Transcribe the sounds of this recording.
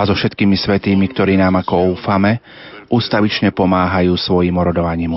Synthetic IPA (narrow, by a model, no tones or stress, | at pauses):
azɔfʃɛt̪kiːmisʋɛt̪iːmikt̪ɔɾiːnaːmakɔuːfamɛ | ʔuːst̪aʋit͡ʃɲɛpɔmaːɦajuːsʋɔjiːmɔɾɔd̪ɔʋaɲiːm